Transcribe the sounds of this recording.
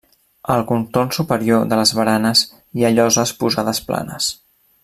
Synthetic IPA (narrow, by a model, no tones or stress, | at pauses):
əlˠkunt̪ornsupəɾioðələzβəɾanəz | iaʎɔzəspuzaðəspla̰nəs